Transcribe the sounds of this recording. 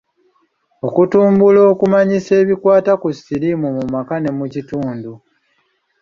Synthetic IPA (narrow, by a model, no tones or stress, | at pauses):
o̞kutuːmbulo̞ːkumaɲise̞ːβikwaːtakusiɾimumumakane̞mucituːndu